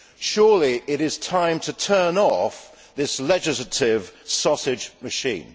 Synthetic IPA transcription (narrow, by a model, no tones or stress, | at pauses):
ʃʊːliʔɪɾɪz̥tʰãɪ̃mtʰətʰɜ˞nɔf | ðɪslɛd͡ʒɪslətɪv̥sɒsɪd͡ʒmɨʃḭ̃ːn